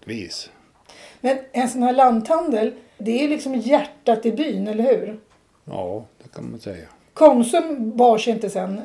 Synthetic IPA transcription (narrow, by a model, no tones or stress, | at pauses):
viːs | mɛnɛnsɔnhæːɭand̪hand̪əl | d̪ɛælɪksɔmjæʈːat̪ɪlbyːnɛlːəɾhʉ̟ːɾ | jɑːd̪̥ɛkʰanma̰nsɛjːa | kʰɔnsɵmbɑːʂɛɪnt̪əsɛnː